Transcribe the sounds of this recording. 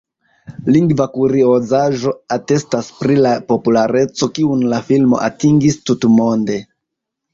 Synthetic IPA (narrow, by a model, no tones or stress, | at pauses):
liŋɡvakuɾiozaʒo̞ate̞staspɾilapo̞pulaɾe̞t͡so̞kiunlafilmo̞̰ʔatiŋɡistutmo̞nde̞